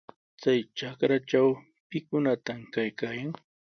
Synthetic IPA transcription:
t͡sajʈ͡ʂakɾaʈ͡ʂaw | pɪkʊnat̪amkajkaːjaŋ

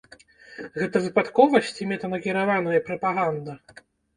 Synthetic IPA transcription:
ɣɛt̪ɐvɨpat̪kɔvɐsʲt͡sʲimʲɛt̪ɐnɐkʲiɾavanɐjɐpɾɐpaɣand̪ɐ

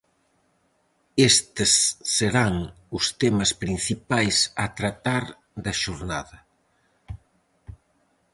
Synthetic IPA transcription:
est̪ɪsːeɾaŋ | ʊst̪emɐspɾin̟θipajsɐt̪ɾat̪aɾ | d̪ɐʃoɾnaðɐ

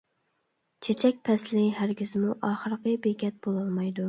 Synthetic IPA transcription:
t͡ʃʰet͡ʃʰɛk̚ʲpʰɛslɪɦæɾɡʲizmuʔɑːχəɾəqəbekʲɛt̪̚bolˠɑlˠmɑjd̪u

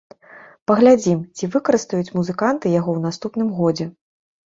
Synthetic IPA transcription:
pɐɣlʲad͡zʲimt͡sʲivɨkɐɾɨst̪ujut͡sʲmuzɨkant̪ɨjaɣɔwn̪ast̪upn̪ɨmɣɔd͡zʲɛ

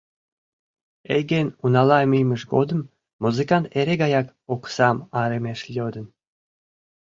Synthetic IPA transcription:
eɡenunɑlɑmijməʃɡod̪ə̆mː | uzɨkɑnt̪eɾeɡɑjɑk | oksɑmɑɾemeʃlʲod̪ə̆n

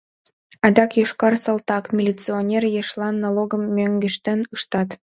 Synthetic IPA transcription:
ɑd̪ɑkjuʃkɑrsɑlˠt̪ɑkmʲilʲit͡sɨonʲerjeʃlɑnːoloɡəmːøŋɡɘʃt̪ĕnɯʃt̪ɑt̪

